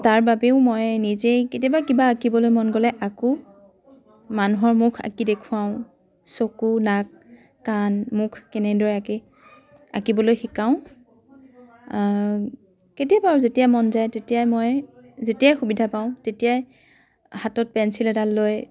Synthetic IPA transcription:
taɹbabeʊmɔjnizejketijabakibaːkibɔlojmɔnɡɔlɛʔaku | manuɦɔɹmukʰa̰kidekʰʊaʊ̃ | sokunak̚ː | anmukʰkɛnɛdɔɹɛaki | a̰kibɔlojxikaʊ̃ | ketijabaaɹzetijamɔnzajtetijajmɔj | zetijajxubidʱapaʊ̃tetijaj | hatɔt̚pɛnsilɛdalːoj

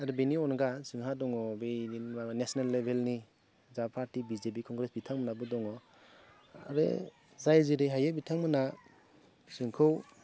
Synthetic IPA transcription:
aɾɯbeniɔnɡasɯŋɦadɔŋɔbeanesnalːebʱelni | zapʰaɾtibizep̬ikʰɔŋɡɾesbitʰaŋmənabɔdɔŋɔ | aɾḛ | zajziɾeɦajabitʰaŋmɯna | sɯŋkʰɯw

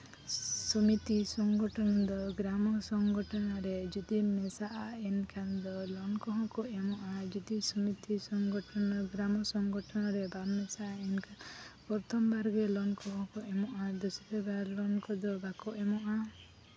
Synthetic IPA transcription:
sɔmit̪isɔŋɡɔʈʰɔnɔd̪ɔɡɾamɔsɔŋɡɔʈʰɔnaɾed͡ʒɔd̪imesaʔaenkʰand̪ɔlɔnkɔɦɔ̃kuemɔʔad͡ʒɔd̪isɔmit̪isɔŋɡɔʈʰɔnɔɡɾamɔsɔŋɡɔʈʰɔnɔɾebamesaenkʰapɔɾt̪ɔmbaɾɡelɔnkɔɦɔ̃kuʔemɔʔad̪usɔb̪ebalɔnkɔd̪ɔbakɔemɔʔa

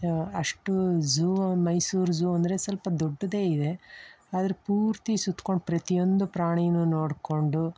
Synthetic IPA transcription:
ɐʂʈud͡ʒuːmɐjsuːɾd͡ʒuːɐnd̪ɐɾesɐlpɐd̪oɖːɐd̪e̞ːid̪e̞ | aːd̪ɐɾepuːɾt̪isut̪ːko̞ɳɖpɾɐt̪ijo̞nd̪upɾaːɳijnːuno̞ːɽko̞ɳɖu

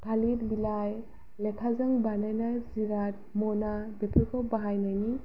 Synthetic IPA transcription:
pʰalitbilaj | lɛkʰazaŋbanajnajziɾat̚ | mɔnabepʰikʰɔbaɦajnajni

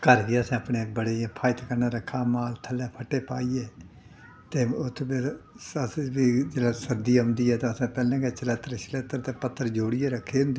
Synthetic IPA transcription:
kəɾʋiːəsãːəpneːbəɽeːjãpʰaːɪt̪kəɾnaːɾəkʰːaːmaːlt̪ʰəlːɛːpʰəʈːeːpaːiːeː | t̪eːʊt̪ʰːpɪəsbiːd͡ʒeːlɛːsəɾd̪iːʊ̃ːnd̪iːɛːt̪ãːəsãːpɛːlɛ̃ːkɛːt͡ʃəleːt̪əɾt͡ʃəleːt̪əɾt̪eːpət̪ʰːəɾd͡ʒoːɽieːɾəkʰːeːɦʊ̃nd̪eː

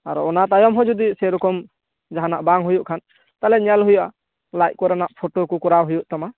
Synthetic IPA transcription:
aɾɔɔnat̪ajɔmɦɔd͡ʒud̪isɛɾɔkɔm | d͡ʒaɦanaʔbaŋɦujuʔkʰan | t̪alɛɲalɦujuʔa | lajc̚kɔɾanaʔpʰoʈokɔkɔɾaɦujuʔt̪ama

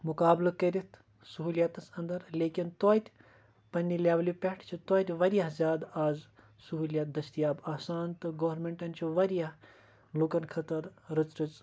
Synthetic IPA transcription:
mukaːblɐkɐɾit̪ʰ | suɦuːljat̪ɐsɐnd̪ɐɾleːkʲint̪oːt̪ʲ | pɐnʲːilʲaːʋɐlʲjupʲeʈʰt͡ʃʰut̪oːt̪ʲʋɐɾijɐɦzʲjaːd̪aːz | suɦuːljat̪̚d̪ɐst̪ijaːbaːsaːnt̪ɨɡoːɾmeɳʈɐnʲt͡ʃʰuʋɐɾjaɦ | lukɐnkʰɐt̪ɐɾɾɨt͡sɾɨt͡s

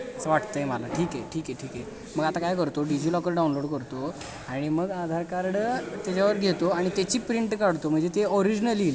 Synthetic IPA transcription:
t͡səʋaʈt̪əjemalaʈʰiːkeʈʰiːkeʈʰiːke | məɡat̪akajkəɾt̪oɖid͡ʑilɔkəɾɖawnloɽkəɾt̪o | aɽ̃iməɡad̪ʱaɾkaɾɽt̪jat͡ɕjaʋəɾɡʱet̪oaɽ̃it̪et͡ɕiːpɾiɳʈkaɽt̪om̤əɳd͡zet̪eɔɾid͡ʑnəlil

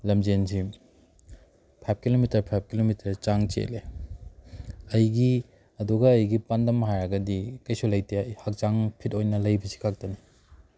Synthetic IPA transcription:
lɐmd͡ʒenzi | pʰajp̚ʰkilomitɐɾpʰajp̚ʰkilomitʰɐɾt͡ʃaŋt͡ʃḛle | ɐjɡi | ɐduɡɐːjɡipandɐmɦajɐɡɐdikɐjsulɐjtehak̚t͡ʃaŋpʰitojnɐlɐjbɐsi̥kʰak̚tɐni

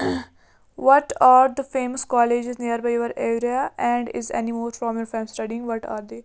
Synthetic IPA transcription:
ʋɔʈaːɾd̪əfeːməskɔːled͡ʒɪzniəɾbaːɪjoʋəɾeːɾiaɛ̃ɳɖɪ̰zɛ̰nimoːfɾɔ̃ːmjɔːɾfɛmsʈɐɖiɪ̃ŋɡʋɔʈa̰ːɾd̪eː

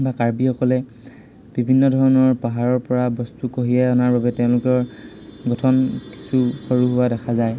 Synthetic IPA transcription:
bakaɹbixɔkɔlɛ | b̥ibʱinːɔdʱɔɹɔnɔɹpaɦaɹɔɹpɔɹabɔstukoɦiɛɔnaɹbabɛtɛʊ̃lʊkɔɹ | ɡɔtʰɔnki̥suxoɹuɦʊwadɛkʰazaj

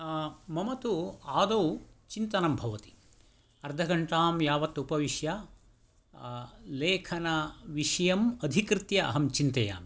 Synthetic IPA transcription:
mɐmɐt̪uaːd̪owt͡ʃint̪ɐnɐmbʱɐʋɐt̪i̥ | ɐɾd̪ʱɐɡɐɳʈaːmjaːʋɐt̪ːupɐʋiʃjɐ | leːkʰɐnɐʋiʂɐjɐmɐd̪ʱikɾɪt̪jɐɐ̰ɦɐmt͡ʃint̪ɐja̰ːmi

